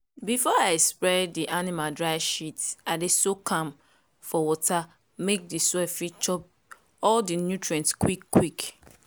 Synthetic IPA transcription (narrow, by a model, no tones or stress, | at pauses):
bifɔaɪɛkspɹɔddiʔanimadɹaɪʃitadesokʰãm | fɔwɔtʰa | mek̚disɛfit͡ʃɔp̚ | ɔldinjutɹɛ̃ntskwikːwik